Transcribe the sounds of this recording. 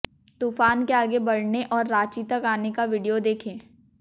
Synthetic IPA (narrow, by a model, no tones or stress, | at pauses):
t̪uːfaːnkeaːɡebɐɽneʔɔːɾːaːt͡ʃit̪əkaːnekaʋɪɖijod̪eːkʰẽː